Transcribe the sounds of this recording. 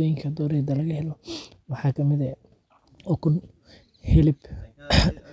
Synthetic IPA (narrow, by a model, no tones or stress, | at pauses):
ɔjɪŋkʰɐd̪ɔːɾɛːd̪ɐlɐɣɐhɛlɔ | wɑħɑːkʰɐmɪðɛ | ɔːkʰʊn | hɛlɪb